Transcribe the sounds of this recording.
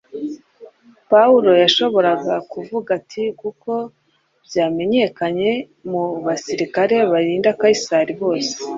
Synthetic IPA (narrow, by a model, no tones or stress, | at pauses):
pauɾo̞jaʃo̞βo̞ɾaɡakuvuɡatʰikukʰo̞ | bjaːme̞ɲe̞kaɲe̞ | muβasiɾikaɾe̞βaɾiːndakaisaɾiβo̞ːse̥